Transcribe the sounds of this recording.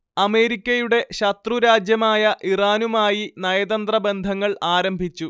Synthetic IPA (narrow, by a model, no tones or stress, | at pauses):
ɐme̞ːɾikʲːɐjuɽe̞ɕɐt̪ruɾaːd͡ʑjɐmaːjɐʔiraːnumaːjinɐjɐd̪ɐnd̪rɐbe̞nd̪ʱɐŋːɐɭaːɾɐmbʱit͡ɕːu